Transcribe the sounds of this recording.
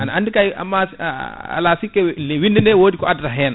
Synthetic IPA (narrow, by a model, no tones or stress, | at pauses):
anaandikajʔa̰mːa | a̰lasikːɛlwindɛnɛwoːdikɔadɾaɦɛn